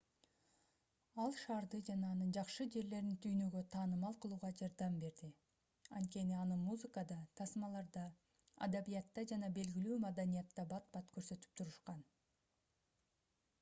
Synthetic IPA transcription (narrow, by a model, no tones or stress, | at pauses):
ɑlˠʃɑːɾd̪ɯd͡ʒɑnɑːnɯnd͡ʒɑqʃɯd͡ʒe̞ɾle̞ɾint̪ʰyjnø̞ɡøt̪ʰɑːnɯmɑlˠqʰɯlˠuːʁɑd͡ʒɑɾd̪ɑmbe̞ɾd̪i | ɑ̰nt̪̚kʲe̞niɑnɯmuzɨkəd̪ɑt̪ʰɑsmɑlˠɑɾd̪ɑ̰ː | d̪abijɑt̪ːɑd͡ʒɑnɑbe̞lɡʲilyːmad̪anijɑt̪ːɑbɑt̪̚bɑt̪kʰøɾsø̞t̪y̥p̚t̪ʰuɾɯʃqɑn